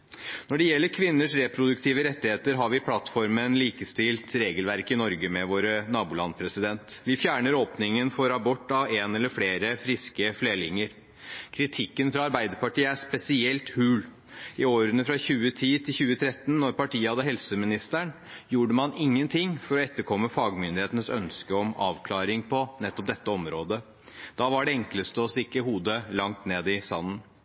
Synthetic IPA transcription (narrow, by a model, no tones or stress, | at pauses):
nɔɖɛjɛlːəɾkʰʋɪnːəʂɾɛpʰɾʊd̪ʉk̚t̪ʰiːʋəɾɛt̪ːɪheːt̪əɾɦɑɾʋɪpʰlɑt̪fɔɾmənliːkəst̪ɪlt̪ɾeːɡəlʋæɾkɪnɔɾɡəmɛʋoːɾənɑːbʊːlɑ̰npʰɾɛsɪd̪ɛnt̪ʋɪfjæːɳəɾoːpnɪŋənfɔɾɑbɔʈ̪ːɑʋeːnɛlːəɾfleːɾəfɾɪskəfleːlɪŋəɾ | kʰɾɪt̪ʰɪkːənfɾɑɑɾbæɪd̪əɾpɑʈiːəæʂpɛsɪɛlt̪hʉːl | ɪoːɾənəfɾɑçʉːət̪ʰiːt̪ʰɪlçʉːət̪ʰɾɛt̪ːn̩ːɔɾpɑʈiːəhɑd̪əɦɛlsəmɪnɪst̪æɳ | juːɖəmɑnɪŋːənt̪ʰɪŋːfɔɾɔɛt̪ːəɾkʰɔmːəfɑːɡmʏnd̪ɪheːt̪ənəsœ̰nskəɔmɑ̰ːʋkʰlɑːɾɪŋpʰɔnɛt̪ːɔp̚d̪ɛt̪ːəɔmɾoːd̪ə | d̪̥ɑːʋɑɖɛɛŋkləst̪əɔst̪ɪkːəɦuːd̪əlɑŋt̪neːd̪ɪst̪ɑ̰nːən